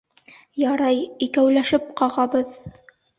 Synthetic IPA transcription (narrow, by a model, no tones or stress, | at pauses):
jɑɾɑjikæwlæʃɘp̚qɑʁɑbɤð